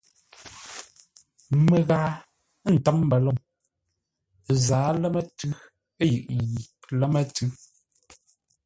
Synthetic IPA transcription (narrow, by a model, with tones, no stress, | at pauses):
mə˨ɣa˨˦ | n̩˨ta˨˦m˦bɛ˨lɔ˦˨ŋ˨ | zaː˨˦lɛ˦mɛ˦tʉ˦ | e˦jɯ̰˨ʔn˨ji˨lɛ˦mɛ˦tʉ˦